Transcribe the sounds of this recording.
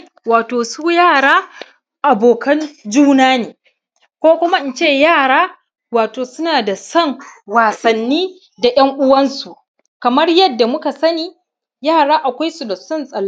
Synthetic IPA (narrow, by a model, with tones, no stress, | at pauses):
waː˨toː˨suː˦jaː˦˨ɽaː˦ | ʔa˨boː˨kɐ˦nd͡ʒuː˦naː˦neː˨ | kʷoː˦kʷʊ˦ma˦ʔɪ˦nt͡ʃeː˦˨jaː˦˨ɽaː˦ | waː˨toː˨sʊ˦naː˨da˨sɐ˦˨ŋwaː˨sɐ˨nːiː˦ | da˨jɐ˦ŋʔʊ˦wɐ˦nsu˨ʔ | kɐ˨mɐ˦rjɐ˦dːa˨mʊ˦ka˨sɐ˦niː˦ | jaː˦˨ɽaː˦ʔa˨kʷa˦jsu˨da˨sɐ˦˨nsʼɐ˨l